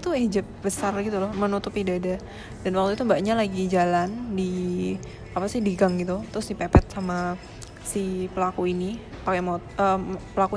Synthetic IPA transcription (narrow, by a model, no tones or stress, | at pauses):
it̪ud͡ʒəp̚bəsarɡit̪ulɔhmənut̪upidada | danwak̚t̪uit̪umbaʔɲalaɡid͡ʒalandi | apasɪhdiɡaŋɡit̪ut̪ɾʊsdipepɛt̪̚sama | sipəlakuinipakɛmot̪əpəlaku